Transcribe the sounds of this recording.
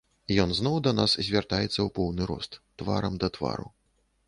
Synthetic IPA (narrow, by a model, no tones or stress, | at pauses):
jɔnznɔwd̪ɐnaszʲvʲart̪ajɛt̪sːɐwpɔwnɨɾɔ̰st̪ːva̰ɾɐmd̪ɐt̪va̰ɾṵ